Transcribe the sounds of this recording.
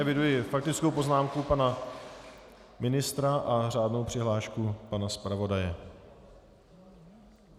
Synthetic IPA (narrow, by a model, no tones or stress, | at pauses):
ɛvɪdujɪfak̚t̪ɪt͡skowpo̞znaːmkupana | mɪnɪst̪ɾaʔar̝aːdno̞wpr̝̥ɪɦlaːʃkupanaspɾavo̞dajɛ